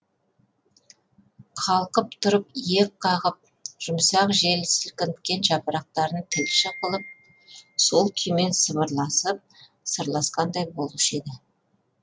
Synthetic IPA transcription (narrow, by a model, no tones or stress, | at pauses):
qʰɑlˠqəpt̪ʰʊɾəpjek̚qʰɑʁəp̚ | ʒ̥ʊmsɑqʒelsɪlkʲɪnt̪kʲːe̞nʒɑpəɾɑq̚t̪ɑɾənt̪ʰɪlʃəqʰəlˠəp̚ | so̞lˠkʲʰʏjme̞nsəβəɾlˠɑsəp̚ | səɾlˠɑsqɑnd̪ɑjbo̞lˠəʃe̞d̪ɪ